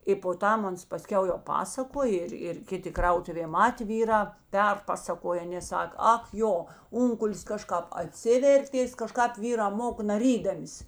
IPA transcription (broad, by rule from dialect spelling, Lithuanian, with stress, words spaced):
ɪ poː ˈtɐm ˈɐns pɐˈsʲkʲɛʊ jɛʊ ˈpɑːsɐkoːj ˈɪr ɪr ˈkʲɪˌtʲɪ ˈkrɐʊtʊʋʲeː ˈmɑːtʲeː ˈʋʲiːrɑː ˈpʲɛrpɐsɐkoːjɛ ˈɑːnʲeː ˈsɐk ˈɐk ˈjoː ˈʊŋkʊlʲɪs ˈkɑːˌʃkɑːp ɐˈtʲsʲɪʋʲɛrʲtʲeːs kɐˈʃkɑːp ˈʋʲiːrɑː ˈmoːkɐ nɐˈrʲiːdɐmʲɪs